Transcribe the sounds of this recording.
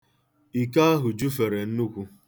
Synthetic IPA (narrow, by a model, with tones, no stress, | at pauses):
i˨ka˦a˦ɦʊ˨d͡ʒu˦fe˨ɾe˨n̩˦nu˦kʷu˦